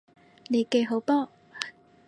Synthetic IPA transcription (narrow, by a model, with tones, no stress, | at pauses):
ne˨˧ke˧jɦo˨˥˦wpɔː˥